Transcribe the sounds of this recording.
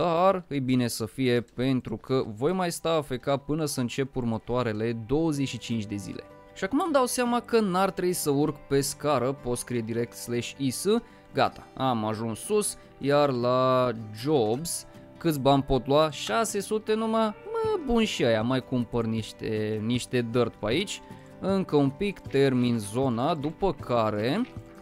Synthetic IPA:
d̪̥arɨjbine̞səfije̞pe̞nt̪ɾukʰəvo̞jmajst̪aːfe̞kapɨnəsəɨnt͡ʃe̞purmət̪oaɾe̞le̞d̪o̞wəzet͡ʃʃit͡ʃint͡ʃʲd̪e̞zḭlʔe̞̰ | ʃiakumamd̪awt̪seamakənart̪ɾeisəurkpe̞skaɾəpot̪skɾijed̪iɾe̞k̚t̪slaʃisɨ | ɡa̰t̪ḁamaʒunsus | jarlad͡ʒo̞bz̥ | kɨt̪sʲbanʲpo̞t̪luwaʃase̞sut̪e̞numaməbunʃiajamajkumpərniʃt̪eniʃt̪e̞d̪ərt̪pait͡ʃʲ | ɨŋkəumpikt̪e̞rminzo̞nad̪upəkʰaɾe̞

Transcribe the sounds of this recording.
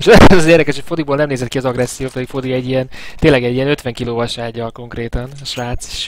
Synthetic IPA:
eʃod̪zɒzeːrd̪ɛkɛʃhocfo̞d̪iboːlnɛmneːzɛt̪kiɒzɒɡrɛsːijoːpɛd̪ikfo̞d̪iɛɟːijɛnt̪eːnlɛɡɛɟːiɛnø̞t̪ʋɛŋkiloːvɒʃaːɟːɒlko̞ŋkreːt̪ɒnɒʃʋaːt̪si̥ʃ

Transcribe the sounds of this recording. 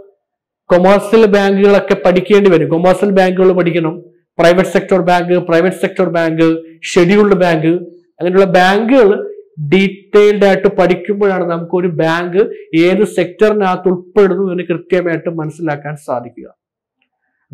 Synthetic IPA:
komɐrsɐlbaːŋɡuɣɐɭo̞kːe̞pɐʈʰikʲːe̞ːɳɖiʋɐɾukomɐrsɐlbaːŋɡuɣɐɭpɐʈʰikʲːɐɳɐm | prɐjʋɐʈːɨ̥se̞k̚tɐrbaːŋɡɨprɐjʋɐʈːɨ̥se̞k̚ʈɐrbaːŋɡɨʂe̞ɽijuɭɖɨbaːŋɡɨ | ɐŋːɐnejuɭːɐbaːŋɡɨɣɐɭɖiʈːejilɖaːjiʈːɨpɐʈʰikʲːumboːɭaːɳɨnɐmukːɨo̞ɾubaːŋɡɨeːðɨse̞k̚tɐrinaːt̪ːuɭpe̞ɽunːuenːɨkrɨt̪jɐmaːjiʈːɨmɐnɐsːilaːkːaːnsa̰ːd̪ʱikʲːṵɣɐ̰

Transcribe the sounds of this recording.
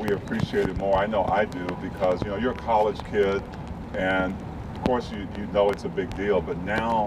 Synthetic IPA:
wiɨpʰɹ̥iʃieɪɾɨd̚mɔɹaɪnoʊʔa̰ɪdʉbɨkʰʌzjɨnoʊjə˞ɨkʰɑlˠɨd̥ʒ̥kʰɪd | ɨ̃n | ʌv̥kʰɔɹsjɨjɨnoʊɨtsɨbɪɡ̚dilˠbʌtⁿnaʊ

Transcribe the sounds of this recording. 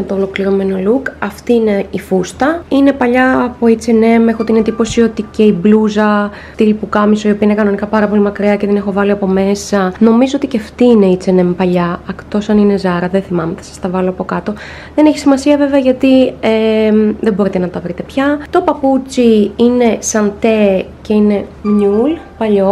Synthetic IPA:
t̪oːlo̞kliɾome̞no̞lukɐft̪iːneifust̪ɐine̞pɐʎɐːpo̞it͡sene̞mexoot̪ined̪ipo̞sio̞t̪ice̞ibluzɐ | t̪ilipukɐmisoio̞piɐinekɐno̞nikɐpɐɾɐpo̞limɐkɾiɐceðene̞xo̞vɐliɐpo̞me̞sɐno̞mizoot̪iceɐft̪iːne̞it͡se̞ne̞mpɐʎɐɐkt̪o̞sɐnine̞zɐɾɐðenθimɐmeθɐ̥sɐ̥st̪ɐvɐlo̞ɐpo̞kɐt̪o̞ | ðe̞ne̞çi̥simɐsiɐve̞veɐʝɐt̪iemðebo̞ɾit̪e̞nɐt̪ɐvɾit̪epçɐt̪o̞pɐput͡siine̞sɐnt̪ece̞ine̞mɲul | pɐʎo̞

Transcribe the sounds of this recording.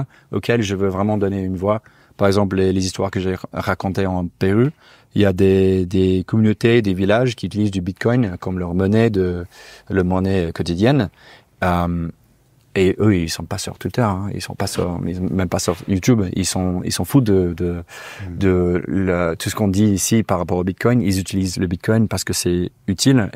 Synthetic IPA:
o̰kʰʲɛlʒəvøvʁɛmɑ̃d̪ɔneynvwa | paʁɛɡzɑ̃p̬lelezist̪waʁkəʒeʁakɔ̃t̪eɑ̃peʁy | iljad̪ed̪ekɔmynot̪ed̪evilaʒkʲiyt̪ilizd̪ybit̪̚kʰɔjnkɔmlœʁmɔnɛd̪ələʁmɔnɛkɔt̪id̪jɛn | øm | eʔøilsɔ̃pasy̰ʁt̪ʰwit̪œʁɛ̃ḭlsɔ̰̃pasy̰ʁ̰ḭsɔ̃mɛmpasy̰ʁjut̪ybḭlsɔ̃ḭlsɔ̃fud̪əd̪əd̪ələt̪ʰu̥sə̥kɔ̃d̪iːsipaʁːapɔʁobit̪̚kʰɔjnilzyt̪ilizləbit̪̚kʰɔjnpaʁsə̥kəsɛyt̪ʰil

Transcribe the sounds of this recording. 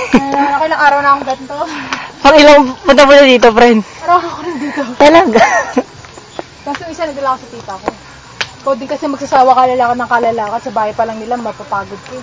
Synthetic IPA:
nɐkoʔɪlaŋʔaːɾɐwnɐkoŋb̪ɐnt̪opɐŋɪlaŋpʊnt̪ɐmonɐd̪iːt̪̬o̞pɐɾɛnmɐɾaɐkoɾɪnd̪iːt̪ot̪ɐlaɡa | bɐst̪oŋɪsɐnɐd̪ɐlakosɐt̪iːt̪ɐʔɐko | pwɛd̪ɪŋkɐsɛmɐɡ̚sɐsaːwɐkɐːlɐlaːkɐt̪nɐŋkɐlɐlaːkɐd̪̚sɐbaːhɐjpɐlɐŋnɪlamɐpɐpaːɡod̪̚ko

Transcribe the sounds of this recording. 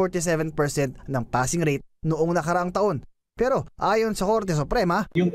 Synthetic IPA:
oɹt̪isɛvɛnpɛɹsɛnt̪nɐŋpaːsɪŋɾejt̪̚nʊʔoŋnɐkɐɾɐʔaŋt̪ɐʔo̞n | pɛːɾo̞ʔaːjo̞nsɐko̞ɾt̪ɛs̬ʊpɾɛmɐjʊŋ

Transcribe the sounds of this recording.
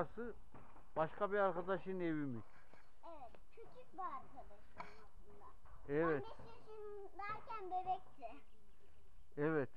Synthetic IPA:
sɯ | b̥aʃkʰabiɾaɾkad̪aʃɯnevimyc | ɛvɛt̪t͡ʃʰyt͡ʃʰyk̚ʲbaɾkʰad̪aʃɯnasɯnd̪a | ɛvɛt | eʃin | væɾcænd̪emɛk̚t̪ʰɪ | ɛvɛt̪

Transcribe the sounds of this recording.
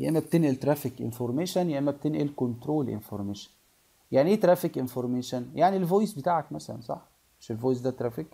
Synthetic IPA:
jæ̰ʔemːæb̚t̪enʔelt̪ɾæfikʔḛnfoɾˤmeːʃænjæʔemːæb̚t̪enʔelkont̪ɾoːlʔḛnfoɾˤmeːʃæ̥n | jaʕniʔeːt̪ɾˤæfikʔenfoɾˤmeːʃænjaʕnilvojsbet̪aːʕækmæsælæ̰nsˤɑ̰ħ | meʃelvoːjs̬d̪æt̪ɾˤæfik

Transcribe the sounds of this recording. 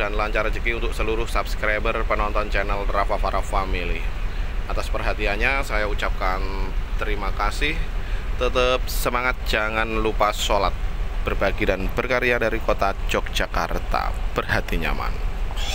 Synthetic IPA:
danlaɲt͡ʃaɾad͡ʒəkiunt̪ʊk̚səluɾʊhsapskɾabərpənɔnt̪ɔnt͡ʃɛnɛlrafafaɾafamiliʔat̪aspərɦat̪ianɲasajaut͡ʃap̚kant̪əɾimakasɪht̪ət̪əp̚səmaŋat̪̚d͡ʒaŋanlupasolat̪̚b̥ərbaɡidanbərkaɾiadaɾikot̪ad͡ʒɔk̚d͡ʒaka̰rt̪a̰bərɦat̪iɲa̰ma̰n

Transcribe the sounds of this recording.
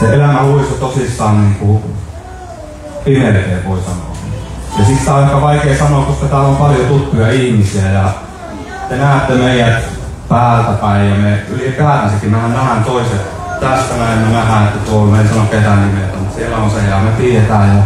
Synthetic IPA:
seelæmæluiset̪osist̪ɑːnniːŋku | inerkeːʋoisɑno̰ːkijɑsit̪st̪æɑˑikɑʋɑikeːsɑnoːkkoskɑt̪æːompɑljot̪ut̪ːujɑihmisiæjɑ | t̪enæhːet̪ːemeijæ | pæːlt̪æpæijɑmeylipæːrænsekːimæhænnæhænt̪oiset̪ | t̪æst̪æmæemːenæhæet̪ːæt̪omeisɑnoket̪ænnimet̪æmut̪sielːæonseeɑmep̪iːet̪æːjjɑ

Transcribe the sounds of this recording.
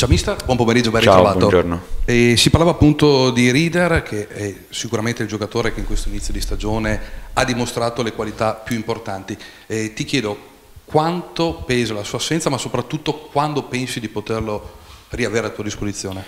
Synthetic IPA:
t͡ʃawmist̪abwɔmpomeɾid͡ʒːobɛnriatɾovaːt̪od͡ʒornoɛsiparlavaːpːunt̪od̪iɾiːd̪erkʰeɛ | sikuɾament̪eild͡ʒokat̪oːɾekeiŋkwest̪oinit̪sːjod̪ist̪ad͡ʒoːnead̪imost̪ɾaːt̪olekwalit̪apːjuimport̪ant̪i | ɛt̪ikjɛːd̪o | kwant̪opɛzalasuːasːɛnt̪samasopɾat̪ːut̪ːokwand̪opɛnsid̪ipot̪erloriaveːɾelat̪ːuːad̪ispozit̪sːjoːne

